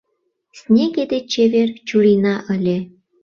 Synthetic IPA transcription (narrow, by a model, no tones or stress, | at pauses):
snʲeɡed̪et͡ɕeβert͡ɕuɾinɑʔə̆lʲe